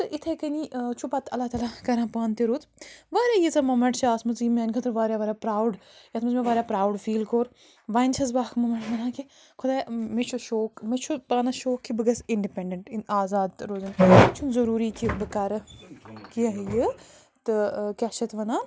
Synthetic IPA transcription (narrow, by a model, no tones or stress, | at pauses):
t̪ɨʔit̪ʰekɐniʔt͡ʃʰupɐt̪ɐlːaːt̪aːlakɐɾãːpaːnt̪eɾuːt̪ʋaːɾʲaːjizɐmɐmɐʈt͡ʃʰaːsmɐt͡sjimeːnkʰɐt̪ʰɨɾʋaːɾjaʋɐːɾʲjaːpɾaːwɖjɐt̪ʰmɐzmẽʋaːɾʲjaːpɾaːwɖfiːlkoːɾ | ʋaːnt͡ʃʰɐzbaːkʰmɐmɐɳʈʋɐnãːki | kʰʊd̪aːjmet͡ʃʰuʃoːkmet͡ʃʰupaːnɐʃoːkʰːibɨɡɐsiɳɖipeɳɖeɳʈinaːzaːd̪ɾoːzɐnt͡ʃʰunzɐɾuːɾikʰibɨkaːɾɐkiɐɦjɨ | t̪ɨkʲaʃɐt̪ʋɐnaː